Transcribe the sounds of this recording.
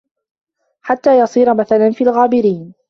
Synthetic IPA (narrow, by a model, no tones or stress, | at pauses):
ħat̪ːaːjɑsˤiːɾamaθalanfiːlɣaːbɪɾiːn